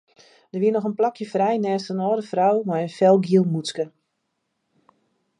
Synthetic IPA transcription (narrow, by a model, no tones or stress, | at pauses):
d̥əʋiənɔxənplakjəfrɛjnɛːstənɔːdəfrawmajənfɛlˠɡiəlˠmut͡skə